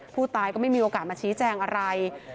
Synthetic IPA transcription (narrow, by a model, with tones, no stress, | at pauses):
pʰuː˥˩t̪aː˧jkɔː˥˩ma˥˩jmiː˧ʔoː˧kaː˨˩maː˧t͡ɕʰiː˦˥t͡ɕɛː˧ŋʔa˧ɾa˧j